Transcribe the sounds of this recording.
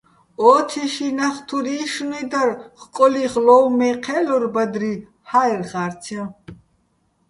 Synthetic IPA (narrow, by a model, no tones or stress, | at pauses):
ɔːt̪ʰɛʃinaχt̪ʰuɾiʃnid̪arχkʼɔliʁlɔwmɛqʰɛlɔɾbad̪ɾi | hajrχaɾtʰa